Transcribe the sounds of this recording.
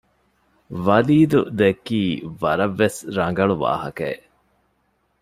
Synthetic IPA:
ʋɐliːd̪ṵd̪ekiːʋɐɾɐʋːesɾɐŋ̆ɡɐɭuʋa̰ːhɐkɐe

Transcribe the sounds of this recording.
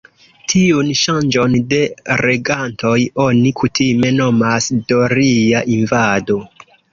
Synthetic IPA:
tʰiunʃand͡ʒo̞nde̞ɾe̞ɡantʰo̞jo̞nikʰutʰime̞no̞masdo̞ɾiaʔinvado̞

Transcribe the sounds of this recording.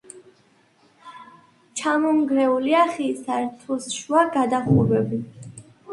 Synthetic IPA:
t͡ʃʰamɔŋɡɾɛuliaχisaɾt̪ʰusʃwaɡad̪aχuɾwɛbi

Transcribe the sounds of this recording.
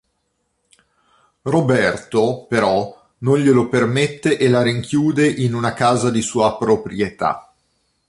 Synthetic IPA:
robɛrt̪opeɾɔ | nonʎelopermet̪ːeʔelaɾiŋkʰjuːd̪eʔinunakaːzad̪isuːapɾopɾjet̪a̰

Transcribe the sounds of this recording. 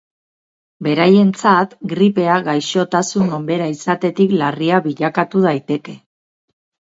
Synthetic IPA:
be̞ɾaje̞nt͡sat̪ɡɾipe̞aɣajʃo̞t̪asuno̞mbe̞ɾaisat̪e̞t̪iklariaβiʎakat̪uð̞ajt̪e̞ke̞

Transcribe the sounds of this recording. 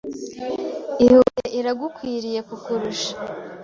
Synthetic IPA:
ihuɾeʔiɾaɡukwiːɾije̞kukuɾuʃḁ

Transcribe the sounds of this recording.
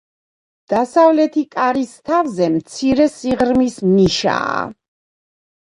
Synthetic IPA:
d̪̥asavlɛt̪ʰikʼaɾist̪ʰavzɛmt̪sʰiɾɛsiʁɾmisniʃa̰ː

